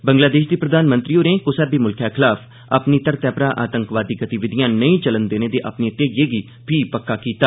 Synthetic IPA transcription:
bəŋɡlaːd̪eːʃd̪iːpɾəd̪aːnmə̃nt̪ɾiːoːɾẽːkʊsɛːbiːmʊlkʰjaːkʰɪlaːpʰ | ə̰pniːt̪əɾt̪ɛːpɾaːʔa̰ːt̪əŋkʋaːd̪iːɡət̪ɪʋɪd̪ɪjãːnəĩːt͡ʃələnd̪eːneːd̪eːʔapniːt̪eːjeːɡiː | pʰiːpəkːaːkiːt̪aː

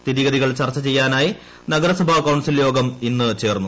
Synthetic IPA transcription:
t̪iɾiɣɐðiɣɐɭt͡ɕɐrt͡ɕːɐt͡ɕe̞jːaːnaːji | nɐɡɐɾɐsɐbʱaːkɐwɳsiljo̞ːɡɐminːɨt͡ɕe̞ːrnːu

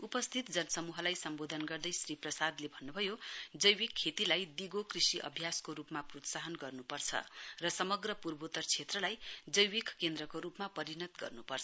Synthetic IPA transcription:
upʌst̪ʰit̪̚d͡zʌnʌsʌmuɦʌlajsʌmbod̪ʱʌnɡʌrd̪ʌjsriprʌsad̪lebʱʌnːubʱʌjod͡zʌjwikʰːet̪ilajd̪iɡokrisiʔʌ̰bʱjaskoɾupmaprot̪saɦʌnɡʌrnupʌrt͡sʰʌ̰rʌsʌmʌɡrʌpurbot̪ʌrt͡sʰet̪rʌlajd͡zʌjwikkend̪rʌkoɾupmapʌɾinʌt̪ɡʌ̰rnupʌrt͡sʰ

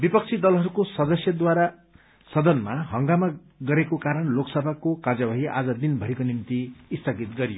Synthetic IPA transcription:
bipʌk̚t͡sʰid̪ʌlɦʌɾukosʌd̪ʌsjʌd̪waɾa | sʌd̪ʌnmaɦʌŋɡama | ɡʌɾekokaɾʌnloksʌbʱakokad͡zabʱaɦiʔa̰d͡zʌd̪inbʱʌɦikonimt̪iːst̪ʰʌɡit̪ɡʌɾijo

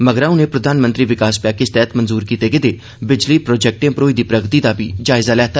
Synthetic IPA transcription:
məɡɾãːũneːpɾəd̪ʱaːnmə̃nt̪ɾiːʋɪkaːspɛːkɪst̪ɛːt̪mənzuːɾkiːt̪eːɡed̪eː | bɪd͡ʒliːpɾoːd͡ʒɛk̚ʈẽpɾoːiːd̪iːpɾəɡt̪iːd̪aːbiːd͡ʒaːɪzaːlɛːt̪a

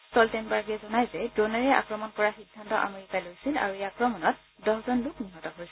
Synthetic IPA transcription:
stɔltɛnbaɹɡɛzɔnajzɛdɹonaɹɛʔa̰kɹɔmɔnkɔɹaxidʱːantɔʔa̰meɹikalojsila̰ɹuejaːkɹɔmɔnɔt̚ | dɔɦzɔndukniɦɔtɔɦojsɛ

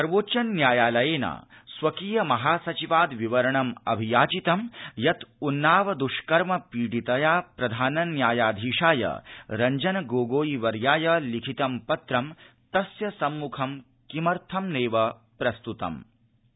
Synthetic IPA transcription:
sɐɾʋoːtːt͡ʃɐnːjaːjaːlɐjeːna̰ːsʋɐkiːjɐmɐɦaːsɐt͡ʃiʋaːd̪ʋiʋɐɾɐɳɐmɐbʱijaːt͡ʃit̪ɐmjɐt̪unːaːʋɐd̪uʃkɐɾmɐpiːɽit̪ɐjaːpɾɐd̪ʱaːnɐnjaːjaːd̪ʱiːʂaːjɐ̰ɾɐɲd͡ʒɐnɐɡoːɡoːjiʋɐɾjaːjɐlikʰit̪ɐmpɐt̪ɾɐm | t̪ɐsjɐsɐmːukʰɐm | kimɐɾt̪ʰɐmneːʋɐ | pɾɐst̪ut̪ɐ̰m

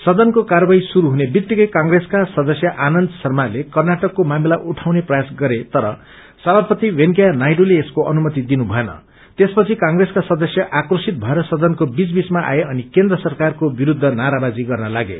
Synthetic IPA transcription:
sʌd̪ʌnkokarʌbaisuɾuɦunebjikt̪ːikʌjkaŋɡreskasʌd̪ʌsjʌʔanʌnd̪ʱʌsʌrmalekʌrnaʈʌkːomamilaʔuʈʰawneprʌjasɡʌɾet̪ʌɾʌ̰ | sʌbʱapʌt̪iwenkjanajɖoleːskoʔʌnumʌt̪id̪inubʱʌenʌ̰ | t̪espʌt͡sʰikaŋɡreskasʌd̪ʌsjʌʔakrosit̪̚bʱʌeɾʌsʌd̪ʌnkobit͡sbit͡smaʔa̰jeʌnikend̪rʌsʌrkarkobiɾud̪ʱːʌnaɾabad͡ziɡʌrnʌlaɡḛ

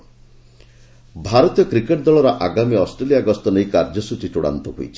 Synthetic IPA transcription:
bʱaɾɔt̪ijɔkɾikeʈd̪ɔɭɔɾɔʔaɡamiɔsʈɾeliaɡɔst̪ɔnejkaɾd͡ʒɔsut͡ʃit͡ʃuɽa̰nt̪ɔɦṵjt͡ʃʰi̥

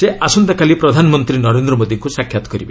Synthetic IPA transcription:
seʔasɔnt̪akalipɾɔd̪ʱanɔmɔnt̪ɾinɔɾend̪ɾɔmod̪iŋkusakʰjat̪ɔ̥kɔɾibe

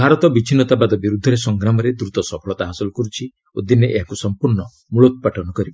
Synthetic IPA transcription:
bʱaɾɔt̪ɔbit͡ʃʰinɔt̪abad̪ɔbiɾud̪ʱːɔɾesɔŋɡɾamɔɾed̪ɾut̪ɔsɔpʰɔɭɔt̪aɦasɔlɔkɔɾut͡ʃʰi | od̪ineʔeɦakusɔmpuɾnɔ | muɭɔt̪̚ɔpaʈʰɔnɔkɔɾib

